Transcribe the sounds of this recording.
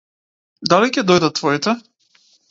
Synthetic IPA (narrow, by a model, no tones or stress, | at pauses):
d̪alicɛd̪ɔjd̪at̪ːvɔit̪ɛ